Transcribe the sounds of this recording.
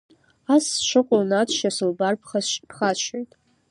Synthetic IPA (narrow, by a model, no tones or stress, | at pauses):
asʃʷɨqʷʼolnatʰʃasɨlbarp̚ʰχapχaʃʷʰojtʼ